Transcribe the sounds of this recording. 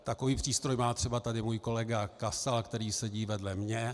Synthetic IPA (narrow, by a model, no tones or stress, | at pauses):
t̪akoviːpr̝̥iːst̪ɾojmaːt̪r̝̥ɛbat̪adɪmuːjko̞lɛɡakasalkt̪ɛɾiːsɛɟiːvɛdlɛmɲɛ